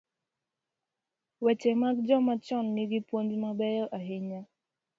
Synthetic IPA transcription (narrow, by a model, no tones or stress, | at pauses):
wɛt͡ʃɛmak̚d͡ʒɔmat͡ʃɔnːɪɡipwoɲd͡ʒmabɛjɔʔaɦɪɲa